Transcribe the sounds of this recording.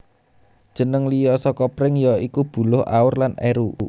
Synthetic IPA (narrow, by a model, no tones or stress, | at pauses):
d̥ʒ̥ə̤nəŋlijɔsɔkɔpɾɪŋjɔikub̥ṳlʊha̰ʊrlaneɾu